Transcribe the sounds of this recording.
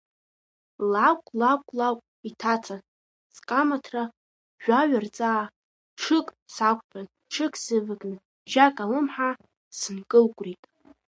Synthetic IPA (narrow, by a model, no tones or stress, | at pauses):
lakʷʼlakʷʼlakʷʼ | itʰat͡sʰan | t͡sʼkʼamatʰra | ʒᶣʷaɥart͡sʼaː | ʈ͡ʂʰɨkʼ | sakʷʰpʰan | ʈ͡ʂʰɨkʰʼsɨvɨkʼnɨ | ʒakʼalɨmħa | sɨnkʼɨlkʷʼritʼ